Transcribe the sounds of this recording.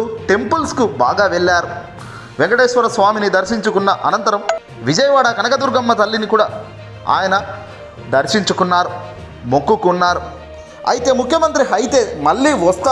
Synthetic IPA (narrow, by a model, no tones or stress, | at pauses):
uʈe̞mpulskubaːɡaːʋeɭːaːɾu | ʋeŋkɐʈeːʃʋɐɾɐsʋaːminid̪ɐɾʃiɲt͡ʃukunːɐʔɐ̰nɐnt̪ɐɾɐm | ʋid͡ʒɐjɐʋaːɽɐkɐnɐkɐd̪uɾɡɐmːɐt̪ɐlːinikuːɽaː | a̰ːjɐnɐ | d̪ɐɾʃiɲt͡ʃukunːaːɾu | mokːukːnːaːɾu | ɐ̰jit̪e̞ːmukʰjɐmɐnt̪ɾiɦɐjt̪e̞ːmɐɭːiːʋɐst̪a